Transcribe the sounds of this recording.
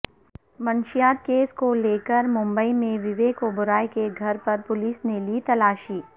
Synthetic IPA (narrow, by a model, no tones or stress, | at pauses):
mɐ̃nʃɪjaːt̪̚keːskoleːkəɾmʊ̃mbəimẽʋɪʋeːkobʊɾaːjkeɡʱɐɾpɐɾpʊliːsneliːt̪ɐlaːʃiː